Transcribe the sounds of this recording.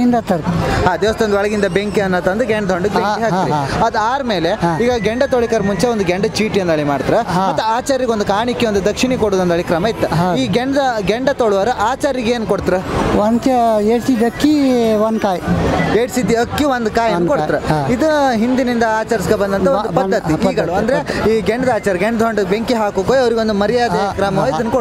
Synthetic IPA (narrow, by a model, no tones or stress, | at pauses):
ind̪ɐt̪ɐɽt̪iɦaːd̪iʋɐst̪eond̪ʋɐɭɐɡind̪ɐbeŋkiɐnːɐt̪ɐnd̪uɡeɳɖɐd̪ʱoɳɖubeiɦaːkiɐɐd̪aːɾmeːleiːɡɐɡeɳɖɐt̪oɭikɐɾmuɲt͡ʃeond̪uɡeɳɖɐt͡ʃiːʈijɐnd̪ɐɭimaːɽt̪iɾeɐt̪ːuaːt͡ʃaːɾiɡond̪ukaːɳikːeond̪ud̪ɐkʂiɳikoɽuːd̪ond̪ɐɭikɾɐmɐit̪ːɐɦiːɡeɳɖd̪ɐɡeɳɖɐt̪oɭʋɐɾɐʔaːt͡ʃaːɾiɡeːnkoɽt̪iɾeɐnɐeːɽsid̪ɐkːiʋɐnd̪kaːjieːɽsid̪ːiɐkːiʋond̪kaːjɐnukoiɾeid̪uɦind̪inind̪ɐaːt͡ʃɐɾisiɡebɐnd̪ɐnt̪ɐod̪upɐːɐt̪ːiiːɡɐɭuɐnd̪ɐɾeiːɡeɳɖɐd̪aːt͡ʃaːɾɐɡeɳɖd̪ɦoɳɖubeŋkiɦaːkoːkoːjɐʋɐɾiɡond̪umɐɾijaːd̪ekɾɐmɐʋid̪ɐnːuko